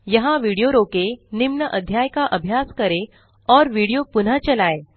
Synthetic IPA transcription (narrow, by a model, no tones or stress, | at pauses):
jəɦãʋiɽijoɾokenimɳəʔəd̪ʱjajkaʔəbʱjaskəɾe | ɔːɾʋiɽijopun̤ət͡ɕəlaːe